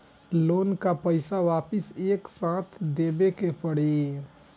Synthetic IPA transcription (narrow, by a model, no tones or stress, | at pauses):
loːnkapəɪsaʋaːpɪseːksãt̪ʰd̪ebekepəɽ̤i